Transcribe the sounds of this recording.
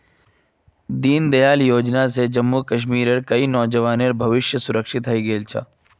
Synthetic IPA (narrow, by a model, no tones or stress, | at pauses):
d̪iːnd̪ɐjaːljoːd͡ʒnas̬ed͡ʒɐmːukɐʃ̬miːɾeɾkɐinɔːd͡ʒɐʋaːneɾbʱɐʋɪʃjəsʊɾəkʃɪt̪ɦɐiɡeːlt͡ʃʰa̰ː